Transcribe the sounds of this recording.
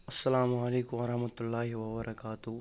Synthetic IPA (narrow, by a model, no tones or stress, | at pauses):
ɐsːɐlaːmɐleːkʊmʋɐɾɐhmɐt̪ʊlːaːɦiwɐbɐɾʔɐkaːt̪ʊ